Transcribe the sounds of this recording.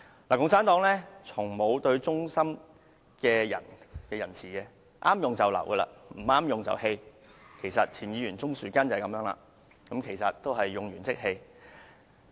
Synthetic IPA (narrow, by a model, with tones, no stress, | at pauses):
laː˨˩kʊ˧ŋt͡sʰaː˨˥nt̪ɔː˨˥ŋlɛː˥t͡sʰʊ˨˩ŋmo˨˧wt̪ɵ˧ɥt͡sʊ˥ŋsɐ˥m | kɛː˧jɐ̰˨˩nkɛː˧jɐ˨˩nt͡sʰiː˨˩kɛ˧ | ʔaː˥mjʊ˨ŋt͡sɐ˨wlɐ̰˨˩wɡə˧la̰ː˧m̩˨˩aː˥mjʊ˨ŋt͡sɐ̰˨whe˧j | kʰe˨˩jsɐ˨t̚t͡sʰiː˨˩njiː˨˧jyː˨˩nt͡sʊ˥ŋsyː˨kɐ˥nt͡sɐ˨kɐ˨˥mjœː˧˥ŋla̰ː˧ | kɐ˨˥mkʰe˨˩jsɐ˨t̚t̪o˥wɦɐ˨jːʊ˨ŋjyː˨˩nt͡sɪ˥k̚he˧j